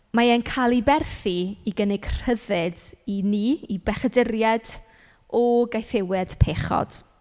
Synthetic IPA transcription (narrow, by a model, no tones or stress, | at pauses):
maɛnkʰalˠibɛrθiiɡənɪɡr̥əðɨdiniibɛχɛdɪɾjɛd̥ | ɔɡajθɪwɛd̥pʰeːχɔ̰d̥